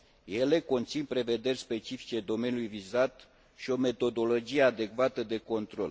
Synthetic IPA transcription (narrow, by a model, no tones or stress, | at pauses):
je̞le̞ko̞nt̪sinpɾe̞ve̞d̪e̞rʲspe̞t͡ʃifi̥t͡ʃe̞d̪o̞me̞nʲjulujvizat̪ | ʃio̞me̞t̪o̞d̪o̞lo̞d͡ʒije̞ad̪e̞kvat̪əd̪e̞ko̞nt̪ɾo̞̰l